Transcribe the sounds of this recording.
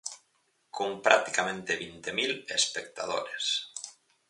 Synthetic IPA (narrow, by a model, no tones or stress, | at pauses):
kʰompɾak̚t̪i̥kamẽnt̪eβint̪emilespekt̪a̰ðo̰ɾes